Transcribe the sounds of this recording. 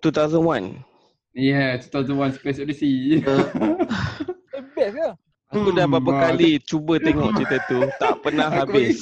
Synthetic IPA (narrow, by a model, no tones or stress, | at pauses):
t̪ut̪awzənwan | jɛt̪ut̪awzənwanspesɔdisi | əbɛsə | akudabapakalit͡ʃubət̪eŋɔʔt͡ʃit̪ət̪ut̪aʔpənãɦɦabɪs